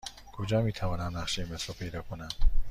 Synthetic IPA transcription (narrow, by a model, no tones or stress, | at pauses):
kʰod͡ʒɒːmiːt̪ʰævɒːnæmnæχʃejimesɾɒpʰe̞jd̪ɒːkʰonænd̪̥